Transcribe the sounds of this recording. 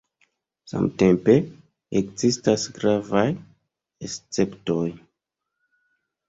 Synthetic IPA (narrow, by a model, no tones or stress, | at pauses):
sa̰mte̞mpe̞ | ekzistasɡɾavaj | est͡se̞ptoj